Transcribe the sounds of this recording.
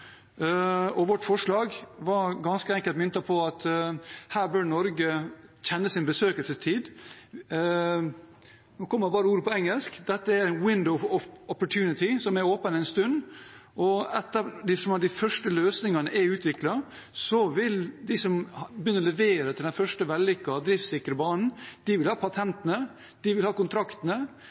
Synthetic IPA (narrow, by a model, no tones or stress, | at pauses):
ɔʋɔʈːfɔʂɭɑːɡʋɑɾɡɑnskəɛŋkəlt̪mʏnt̪ɑpʰɔɑt̪hæːɾbøɾnɔɾɡəçɛnːəsɪnbəsøːkəlsəst̪ʰiːd̪ | noːkʰɔmːəbɑːɾəuːɾəpʰɔɛŋəlskd̪ɛt̪ːəæɾnwɪnd̪ɔʊɔɔpːɔʈʰjʉːnɪt̪ɪsɔmæɾoːpənæɪnst̪ʉnd̪ | ʔɔɛt̪ːəd̪ɪsɔmɑt̪d̪æɪfœʂʈəløːsnɪŋɑnəʔɛɾʉːt̪ʰʋɪklɑ | sɔʋɪld̪ɪsɔmbjʏnːəɾɔlɛʋeːɾət̪ʰɪlænfœʂʈəʋɛlːɪkːɑɑʋd̪ɾɪft̪sɪkɾəbɑːnn̩d̪̥ɪʋɪlhɑːpʰɑt̪ʰɛnt̪ənə | d̪̥ɪʋɪlhɑːkʊnt̪ʰɾɑkt̪nə